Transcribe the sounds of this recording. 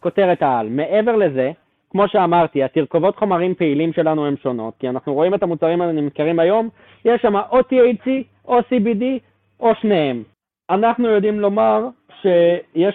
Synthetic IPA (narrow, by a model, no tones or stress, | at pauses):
ko̞te̞ʁetaalme̞ʔe̞ve̞ʁle̞ze̞ | kmo̞ʃe̞amaʁt̪iatiʁkovo̞t̪χo̞maʁimpe̞ilimʃe̞lanue̞mʃo̞no̞t̚kianaχnuʁo̞imetamut͡saʁimanimit̪keʁimajo̞m | jeʃːamaʔotiejt͡si | ʔo̞sibidi | ʔoʃnehem | anaχnujo̞dimlo̞maʁ | ʃe̞je